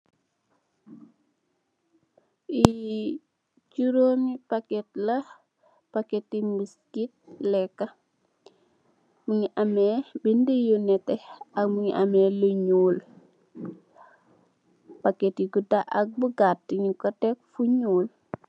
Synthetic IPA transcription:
i | t͡ʃuɾomipakɛtlɐ | paketimiskit̚lɛkːɐ | məŋiʔamɛbindəjunɛtɛɐkmuŋiʔamɛːluɲuːl | pakɛtiɡudaʔak̚bəɡatːiɲikɔtɛk̚fuɲuːl

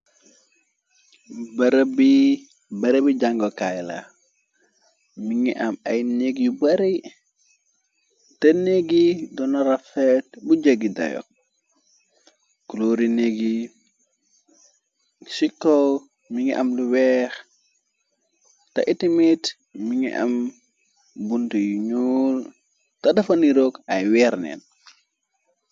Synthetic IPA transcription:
bɾbi | bɐɾebiɟaŋɡɔkajla̰ | miŋiʔɐmɐjneɡjubaɾej | tɐneɡidɔnaɾafet̚buɟəɡida̰jɔ̰k̚ | kuloɾineɡi | sikːɔ | miŋḭʔɐmluwɛx | tɐ̰ʔitimit | miŋḭʔɐ̰m | buntujuɲuːl | tɐdɐfɐniɾokajwɛɾnɛ̰n

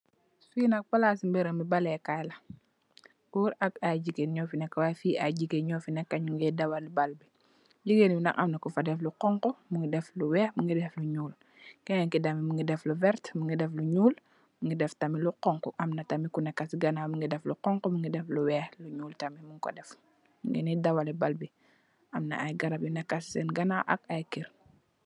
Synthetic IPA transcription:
sfiːnɐk̚palasimbɛɾɐmibalɛkajlɐ | uɾɐkaɟiɡenɲɔfinɛkːawafiːʔaɟiɡeɲɔːfinɛkːɐɲuŋɡɛdɐwalubalbi | ɟiɡeninɐkɐmnɐkufadɛfluqɔŋkɔmuŋɡidɛfluwɛːxmuŋɡidɛfluɲuːl | kɛɲɛŋkidɐmimuŋɡidɛfluvɛɾtmuŋɡidɛfluɲuːl | muŋɡidɛftɐmiluqɔŋkɔʔɐmnɐtɐmikunɛkːɐsiɡɐnaːmuŋɡidɛfluqɔŋkɔmuŋɡidɛfluwɛːxluɲuːltɐmimuŋkɔ̰dɛf | muŋɡḭnidɐwalɛbalbi | ʔɐmnɐ̰ʔajɡɐɾɐpjunɛkːɐssɛnɡɐnaʔɐ̰kajkiɾ

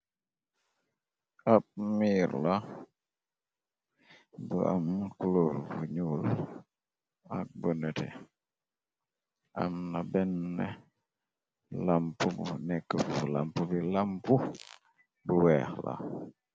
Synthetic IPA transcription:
ap̚miɾla | bəʔamkulolbuɲul | ak̚bənɛtɛ̰ | a̰mnabɛnːɛ | lampubṵnɛkːəpbula̰mpubilampu | bəwɛːxla̰

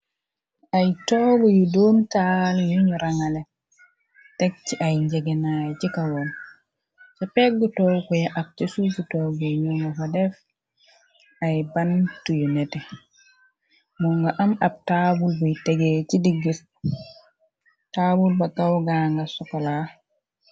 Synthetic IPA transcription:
ajtɔːɡɔjudoːmtaljuɲuɾaŋalɛ | tɛk̚t͡ʃiʔajɲd͡ʒɛɡɛnajcikawɔn | sɔpɛɡːutɔwkujaʔak̚t͡ʃesufutɔɡɛjuŋɡafadɛf | ajbantujunɛtɛ | muŋɡaʔamab̚taːbulbujteɡet͡ʃidiɡːiɾ | tabulbakawɡaːŋɡasɔkɔla

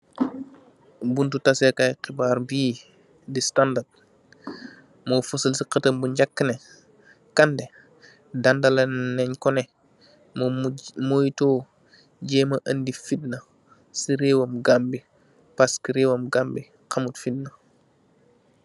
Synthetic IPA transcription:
buntutɐsɛkajqibaːɾbiː | distandad̚ | mɔfusəlsiqɐtɐmbuɲɟakːənɛ | kandɛ | dandɐlɐnɛɲkɔnɛ | mmojitɔː | ɟɛːmɐʔɐndifidnɐ | siɾewɐmɡambi | paskiɾewɐmɡambi | qɐmutfid̚nɐ

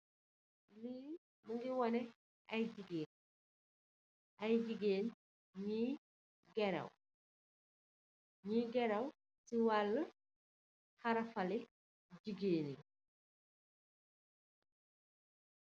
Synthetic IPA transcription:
liː | məŋɡiwɔnɛ | ʔɐjɟiɡeːn | ʔɐjɟiɡeːn | ɲi | ɡɛɾɐ̰w | ɲiɡɛɾɐw | siwalːə | xɐɾɐfɐli | ɟiɡeːni

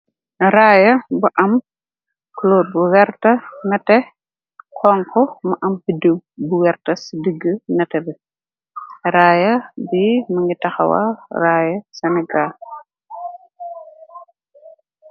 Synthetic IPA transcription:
raːjɐbuʔɐm | kloːbuwɛrtɐnɐtɛ | kʰɔŋkɔmɐʔɐmbidəbuwɛrtɐsidəɡːənɐtɛbɛ | ɾaːjɐbimɐŋɡitɐxɐ̰wɐ̰raːjɐsɛnɛɡal

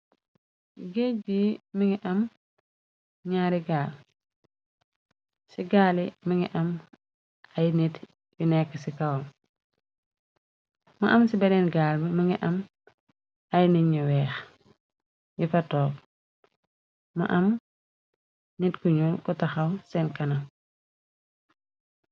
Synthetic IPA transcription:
ɡebimiŋɡiʔɐm | ɲaːɾiɡaːl | siɡaːlimiŋɡiʔɐm | ɐjnit | junɛkːəsikɐwɔm | mɐʔɐmsibɐdɛnɡaːlbimɐŋɡiʔɐm | ɐjniɲuwɛːx | jifɐtɔːk̚ | mɐ̰ʔɐm | nitkuɲukutɐxɐwsɛnkɐnɐ

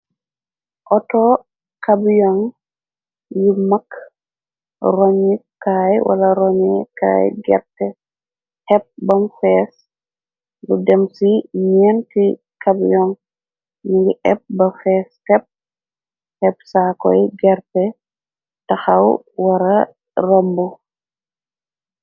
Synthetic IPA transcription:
ʔɔtɔ | kabjɔŋ | jimɐk | rɔɲikajwɐ̰lɐɾɔɲɛka̰ːjɡɛ̰ɾtɛ | tɛp̚bɐmfɛs | ludɛmsiɲɛːnki | kɐbjɔŋ | niɡiʔɛp̚bɐfɛːstɛp̚ | hɛp̚sakɔjɡɛɾtɛ | tɐxɐw | wɐɾɐ | rɐmbu

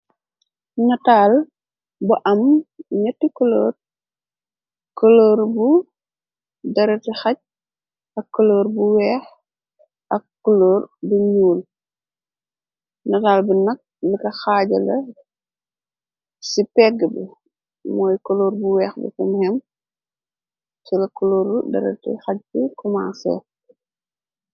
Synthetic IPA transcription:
nɐtaːl | bɐʔɐmɲɐtːikolo̰ːr | koloːɾbu | dɐɾɐtixɐc̚ | ɐkːoloːɾbuwɛːx | ɐkːoloːrbuɲuːl | nɐdaːlbinɐk̚likɐxaːɟɐlɐ | sipɛɡːəbi | mɔːjkoloːɾbuwɛːxbḭkumhɛm | silɐkɔloːɾbudɐ̰ɾɐ̰tḭxɐc̚bikuma̰ːsɛ̰

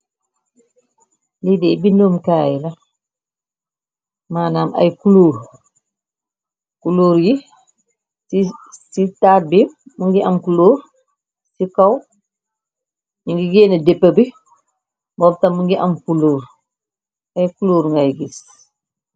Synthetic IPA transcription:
lidɛbinoːmkaːjilɐ | maːnaːmʔɐ̰jkuluːɾ | kuloːɾji | isitaːt̚bimuŋɡiʔɐmkuloːɾ | sikɐw | ɲuŋɡiɡɛːnɐdɛpːəbi | mbɔːp̚tɐmːuŋɡiʔɐmkuloːɾ | ɐjkuluːɾŋɡajɡis

